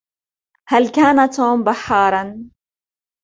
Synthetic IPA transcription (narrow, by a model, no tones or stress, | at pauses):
halkaːnat̪uːmbaħːɑːɾˤɑn